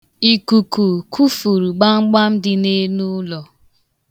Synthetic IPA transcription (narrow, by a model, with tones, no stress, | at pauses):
i˨ku˨ku˨kʰu˦fu˨ɾu˨ɡ͡ba˦ŋ͡m̩˦ɡ͡ba˦m̩˦dɪ˨ne˦nu˦lɔ˨